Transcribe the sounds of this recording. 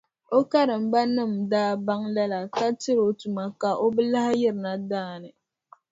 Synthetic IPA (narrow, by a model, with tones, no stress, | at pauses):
o˦ka˦ɾɨ˨m̩˨ba˦nɨ˦˨m̩daː˦ba˦ŋla˦la˨ka˦tɨ˦ɾo˨tu˨ma˨ka˨ʔo˦bɨ˦la˦hjɪ˦ɾɨ˨na˦daː˦˨nɨ˨